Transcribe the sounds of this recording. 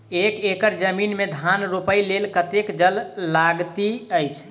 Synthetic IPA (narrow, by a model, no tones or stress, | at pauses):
ekekəɾd͡ʒəminmed̪ʱanɾupəjlelkət̪ekd͡ʒəlːaɡt̪iəjt͡ʃʰ